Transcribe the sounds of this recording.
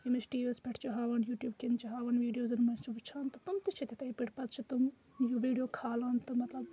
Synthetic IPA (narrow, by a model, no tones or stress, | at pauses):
jimɐt͡ʃʈiːʋilspʰʲɐʈʰt͡ʃʰuɦaːʋɐnjuːʈjuːbkint͡ʃʰiɦaːʋɐnʋiːɖijoːzɐnmɐnt͡ʃiʋɨt͡ʃʰaːnt̪ɨt̪umt̪it͡ʃʰit̪it̪ɐipiʈpɐt̪t͡ʃʰit̪um | juʋiːɖijoːkʰaːlɐːnt̪ɨmɐt̪lɐb